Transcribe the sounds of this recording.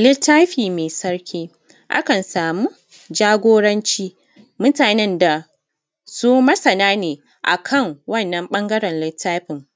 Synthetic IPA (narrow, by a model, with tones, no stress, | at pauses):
lɪ˦tːaː˦ɸiː˨meː˨sɐ˦rkʲiː˦ | ʔa̰˦kɐ˨nsaː˨mu˦ | d͡ʒaː˦ɡʷoː˦ɽɐ˦nt͡ʃiː˦ | mʊ˦taː˨nɪ˦nda˨ | su˦mɐ˦sɐ˨naː˦neː˨ | ʔa̰˨kʰɐ˦˨ŋwɐ˦˨nːɐ˦mɓɐ˦ŋɡɐ˦ɾɛ˨nlɪ˦tːaː˦ɸɪ˨ŋ